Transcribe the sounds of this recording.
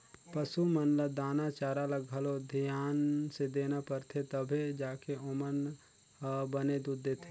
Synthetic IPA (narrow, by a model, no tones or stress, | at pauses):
pəsumənləd̪aːnat͡ʃaːɾaləɡʱəlod̪ʱijaːnsed̪eːnapəɾt̪ʰet̪əbʱed͡ʒaːkeomən | bəned̪ud̪ːet̪ʰe